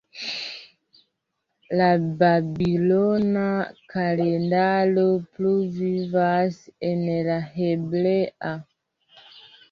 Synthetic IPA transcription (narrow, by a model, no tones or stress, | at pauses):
lababilonakalendalopluvivasɛnɛlaheblea